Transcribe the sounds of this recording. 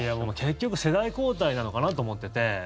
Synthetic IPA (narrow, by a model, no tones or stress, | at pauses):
iabomke̞kkʲːo̞kɯ̟se̞d̪aiko̞ːt̪ainano̞kanat̪o̞ːmo̞t̪ːet̪e̞